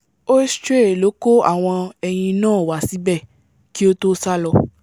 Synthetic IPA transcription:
o˦stɾe˦˨lo˨˦ko˦a̰˨w̃ɔ̃˧ɛ˧j̃ĩ˧nãː˦˨wa˨si˨˦bɛ˦˨ | ki˦o˦to˦sa˦lɔ˧

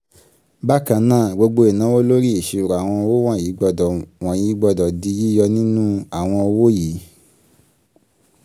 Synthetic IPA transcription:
ba˦˨kã˧nãː˦˨ɡ͡bo˧ɡ͡bo˧e˨nã˨˦wo˦lo˦ɾi˦i˨ʃe˧u˨ɾa˨a˨w̃ɔ̃˧ɔ˧wo˦w̃ã˦˨jiː˨˦ɡ͡bɔ˧dɔ˨w̃ɔ̃˨jiː˨˦ɡ͡bɔ˧dɔ˨di˨˦ji˦jɔ˧nĩ˦nũ˦a˨w̃ɔ̃˧ɔ˧wo˦jiː˨˦

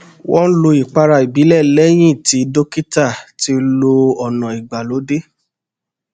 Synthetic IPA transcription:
wɔ̃˦n̩˦lo˧i˨k͡pa˧ɾa˧i˨bi˨˦lɛ˦˨lɛ˦j̃ĩ˦˨ti˨˦do˦ki˦ta˦˨ti˧˦lo˧ɔ˨nã˨i˨ɡ͡ba˨lo˨˦de˦

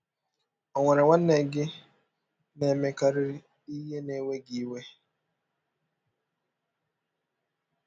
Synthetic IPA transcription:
ɔ˨ŋʷe˨ɾɪ˨wʷa˦n̩˦ne˨ɡɪ˦ | ne˨me˨ka˨ɾɪ˦ɾ | i˦ɦe˦ne˨we˦ɡi˨i˦we˦

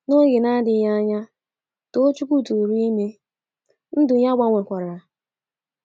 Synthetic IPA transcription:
no˦ɣɪ˨na˦dɪ˨˦ɲa˦ɲa˦ | to˦t͡ʃu˦kʷu˦tu˨ɾi˦i˦me˦ | n̩˦dʊ˨ɲa˦ɡ͡ba˦ŋʷe˨kʷa˨ɾa˨

